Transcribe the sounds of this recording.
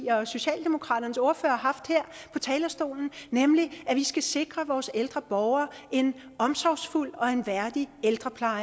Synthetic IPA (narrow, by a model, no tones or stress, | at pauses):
ɐɒ̽so̝ɕɛ̰ːld̥e̝mokʰʁɑ̰̈ːɾ̥ɐnəso̝ɐfø̰ːɐɦɑ̈fd̥heɐ̰pʰɒ̽t͡sʰɛːlɐsd̥o̝̰ːln̩nemliʔæʋisɡ̥æse̝ɡ̥ʁɐʋɒːseld̥ʁɐb̥ɒʊɐ | ʔe̝n | ɒ̽msɒʊsful̰ɒ̽e̝nʋæɐd̥ield̥ʁɐpʰlɑ̈ɪ